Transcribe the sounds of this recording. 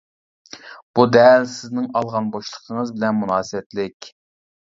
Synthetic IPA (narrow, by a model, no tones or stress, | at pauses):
b̥ud̪ɛlsɪznɪŋɑlˠʁɑnboʃlˠə̥qʰəŋəzbɪlɛnmunɑːsɨwɛt̪lɪkʲ